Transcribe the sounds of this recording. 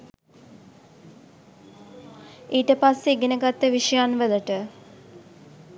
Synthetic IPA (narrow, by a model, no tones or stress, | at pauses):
iːʈəpasːeɡenəɡat̪ːəʋiʃəjanʋələʈə